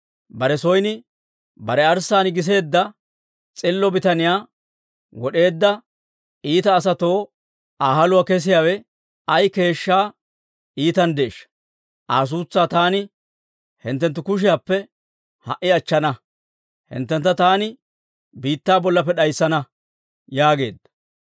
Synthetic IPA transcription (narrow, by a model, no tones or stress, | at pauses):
bɐɾɛsɔjnɪ | bɐɾɛɐɾsaːnɪɡɪs̬e̞ːd̪ːɐ | t͡sʼɪlːɔbɪt̪ɐnɪjaː | wɔɗe̞ːd̪ːɐ | iːt̪ɐːs̬ɐt̪o̞ː | aːɦɐlʊwakɛs̬ɪjaːwɛ | ɐjke̞ːʃːaː | iːt̪ɐnd̪eːʃːɐ̥ | ʔaːs̬uːt͡sːaːt̪aːnɪ | hɪ̰nt̪ːɛnt̪̬ːʊkʊʃ̬ɪjaːpːɛ | hɐ̰ʔɪɐt͡ʃːɐnɐ | hɪ̰nt̪ːɛnt̪ːɐt̪aːnɪ | biːt̪ːaːbɔlːɐpːɛɗɐjsːɐnɐ | jaːɡe̞̰ːd̪ːɐ̥